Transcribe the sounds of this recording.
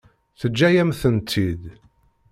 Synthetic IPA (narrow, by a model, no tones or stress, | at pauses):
θəd͡ʒːæjæmθənt̪ʰːid̪